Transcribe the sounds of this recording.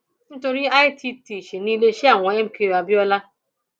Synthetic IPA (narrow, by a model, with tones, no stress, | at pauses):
n̩˦to˨ɾɪ˦a˦ɪ˦tʰi˦ti˨ʃi˨niː˦le˦ʃi˦a˨ŋʷa˨e˦m̩˦ke˨a˨bjɔ˦la˦